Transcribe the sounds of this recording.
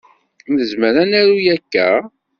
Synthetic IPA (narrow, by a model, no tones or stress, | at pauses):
nəzməɾænæɾujækːæ̰